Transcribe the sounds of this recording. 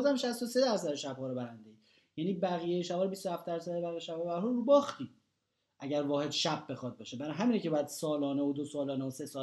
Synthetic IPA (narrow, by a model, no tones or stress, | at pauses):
zæmʃæst̪osed̪æɾs̬æd̪eʃæbhɒːɾobæɾænd̪ei | jæːniːbæɣijejeʃæbɒːɾebist̪ohæft̪d̪æɾsæd̪ebæɣijeʃæbɒbæɾhɔɾɾuːbɒːxt̪iː | ʔæɟæɾvɒːhe̞d̪ʃæbːe̞xɒd̪̚bɒːʃebæɾɒɦæmiːnecʰeɒːjæd̪sɒːlɒːneod̪osɒːlɒːneose̞sɒː